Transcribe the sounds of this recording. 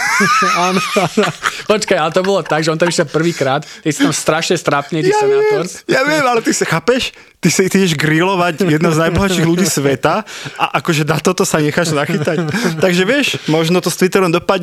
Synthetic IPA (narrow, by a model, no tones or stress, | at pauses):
aːnɔ | pɔt͡ʃkajalɛt̪ɔbɔlɔt̪aɡʒɛɔnt̪amiʃɛlpr̩ʋiːkɾaːt̪kɛcst̪amst̪ɾaʃɲɛst̪ɾapnit̪iasaɛɔɾsjaʋɪɛmalɛt̪isixaːpɛʃ | t̪isit̪iɟɛʒɡɾilɔʋacjɛd̪nɔznajbɔɦat͡ʃiːɣluɟiːsʋɛt̪aʔa̰ʔakɔʒɛnat̪ɔt̪ɔsaɲɛxaːʒzaxit̪act̪aɡʒɛʋɪɛʃmɔʒnɔt̪ɔst̪ʋit̪ɛɾɔmd̪ɔpaɟɲ